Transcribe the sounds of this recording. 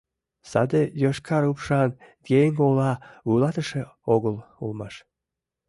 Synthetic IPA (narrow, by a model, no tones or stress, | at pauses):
sɑd̪ejoʃkʰɑɾupʃɑnɡʲejŋɡolˠɑujlˠɑt̪əʃĕoɣəlˠulˠmɑʃ